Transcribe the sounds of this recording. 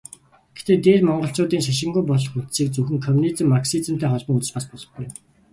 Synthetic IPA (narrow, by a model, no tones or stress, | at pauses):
ɡ̥exʰt̪eːt̪eːrmɔɴɢɞ̆ɬt͡ɕʊːt̪iːŋʃaʃ̬ɪ̆ŋɡujpɔɮɞ̆χut̪siːk̚t͡suxɘ̆ŋkʰɔmnit͡sɘ̆mːaksit͡sə̆m̥t̪æːχɔɮpɞ̆ŋut͡sɘ̆t͡ɕpaspɔɮɞ̆χɡuj